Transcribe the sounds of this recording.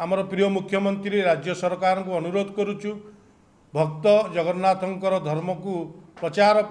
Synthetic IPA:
amɔɾɔpɾijɔmukʰːjɔmɔnt̪ɾiɾeɾad͡ʒjɔsɔɾkaɾɔŋkuɔnuɾod̪ʱɔkɔɾut͡ʃʰu | bʱɔkt̪ɔd͡ʒɔɡɔɾnat̪ɔŋkɔɾɔd̪ʱɔɾmɔkupɾɔt͡ʃaɾɔp

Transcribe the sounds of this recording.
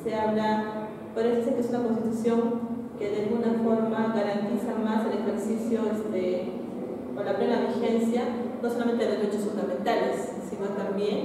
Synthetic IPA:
seaβla | paɾesisekesunakons̬t̪it̪usjo̞ŋkeðealɣunafo̞ɾmaɣaɾant̪isamase̞lexeɾsisjo̞est̪e | kanlaβɾelaβiɾxe̞nsjanosolament̪eet͡ʃosfund̪amẽ̞nt̪alesː | imat̪ambje̞n

